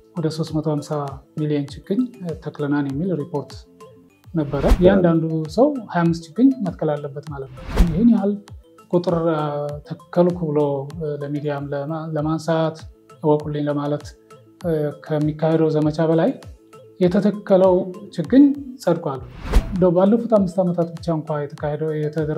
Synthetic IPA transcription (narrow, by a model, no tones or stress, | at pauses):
wɔd̪əso̞st̪mət̪ʰohamsamilijent͡ʃɪɡɨɲt̪ʰəkʼlənanjɛmːilɾipʰo̞ɾt̪ | nəbːəɾəjɛand̪and̪usəwhajamːɨst̪t͡ʃɪɡːɨɲmət̪kʰːəlalːəbːət̪malət̪nəjɪhɪnjal | kʼut̪ʼɨɾt̪ʰəkkːəlukʰɨβɨloləmid̪ijamlələmansat̪əwɔkʼulːiɲləmalət̪ | kʰəmːikːahed̪əwzəmət͡ʃʰabəlaj | jɛt̪ʰət̪ʰəkːələwt͡ʃɪɡːɨɲsʼəd̪kʼʷalːuɨnd̪əwbalːəfut̪ʰamːɨst̪amət̪ʰat̪bɨt͡ʃːaɨŋkʷʰajɛjɛt̪ʰəd̪ə